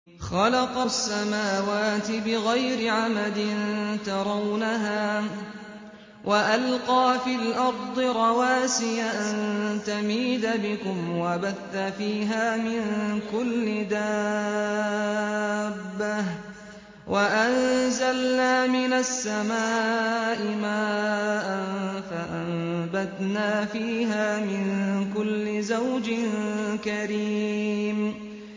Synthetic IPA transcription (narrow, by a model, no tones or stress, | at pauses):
xɑlɑqɑsːamaːwaːt̪ɪbɪɣajɾɪʕamad̪ɪnt̪ɑɾˤɑwnaɦaː | wʔaʔalqɑːfiːlʔɑɾˤd̪ˤɨɾˤɑwaːsɪjaʔannt̪amiːd̪abɪkʊmwabaθːafiːɦaːmɪnkʊlːɪd̪aː | bːah | wʔaʔanzalnaːmɪnasːamaːʔɪmaːʔanfaʔambat̪naːfiːɦaːmɪnkʊlːɪzawd͡ʒɪnkaɾiːm